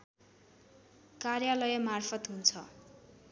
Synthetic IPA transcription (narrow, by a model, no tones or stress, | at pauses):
karjalʌjʌmarpʰʌt̪ɦunt͡sʰʌ